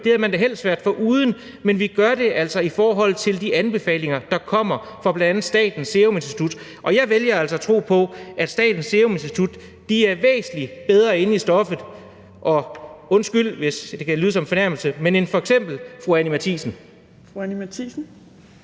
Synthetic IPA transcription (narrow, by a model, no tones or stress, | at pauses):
d̥e̝æɐmænd̥eɦel̰sʋæɐd̥fɒ̽ʔuːð̞ˠn̩ | menʋiɡ̥ɶɐɾe̝ʔæl̰sɒ̽ifɒːɦɒ̽l̰ˠt͡sʰe̝ld̥iʔænb̥e̝fɛ̰ːle̝ŋɐd̥ɑ̈kʰɒ̽m̰ɐ | fʁɑ̈b̥lændænð̩ˠsd̥ɛ̰ːd̥n̩sːe̝ome̝nsd̥it͡sʰud̥ | ʔɒ̽jɑ̈ɪʋeljɐæl̰sɒ̽æt͡sʰʁo̝̰ːpʰɒ̽ʔæd̥sd̥ɛ̰ːd̥n̩sːeome̝nsd̥it͡sʰud̥ː | iæɐʋḛːsn̩lib̥eð̞ˠʁɐe̝nisd̥ɒ̽fəð̩ˠ | ʔɒ̽ɔ̽nsɡ̥yl̰ʋe̝sd̥e̝kʰælyːð̞ˠəsɒ̽mfɒ̽næɐml̩səmene̝nfɒ̽eɡ̥sem̰b̥l̩fʁuænimæt͡sʰḭsn̩ | fuænimæt͡sʰisn̩